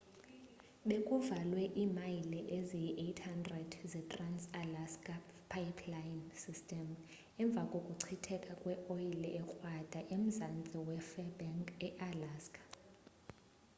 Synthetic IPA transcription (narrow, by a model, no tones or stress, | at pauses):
ɓekʼuvalwɛʔiːmajilɛʔezijiʔetʰhandrad̥zɛtʼransalaskʼa | pʰːajpʰlajinsistʼɛm | ɛɱb̪vʱakʼokʼuǀʰitʰɛkʼakʼwɛʔoilɛʔɛxwad̥ʱaʔem̩zant͡sʼiwɛfɛbɛŋkʼɛʔalaːskʼʰḁ